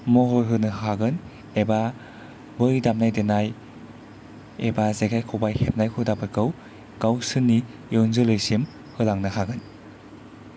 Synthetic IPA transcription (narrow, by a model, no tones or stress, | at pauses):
mɔɦojɦɯnɯɦhʰaɡɯn | eba | bɯjdamnajdenaj | ebazeɡʰajkʰɔwbajhep̚najkʰɯdabɯɾkɯw | ɡ̥awsɯnːi | jɔnzɯlɯjsim | hɯlaŋnɯhaɡɯn